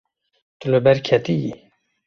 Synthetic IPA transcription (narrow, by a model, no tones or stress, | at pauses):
t̪uləbɛɾkʰɛt̪ijḭ